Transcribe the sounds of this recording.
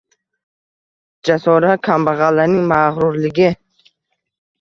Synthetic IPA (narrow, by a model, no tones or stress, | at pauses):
d͡ʒasɔɾakʰambaʁalːanɪŋmaʁɾʊɾlɪɡʲɪ